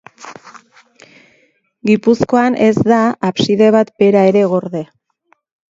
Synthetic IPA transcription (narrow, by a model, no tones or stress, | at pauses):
ɡipusko̞anʔe̞zd̪aapsiðe̞β̞at̪be̞ɾae̞ɾe̞ɣo̞ɾðe̞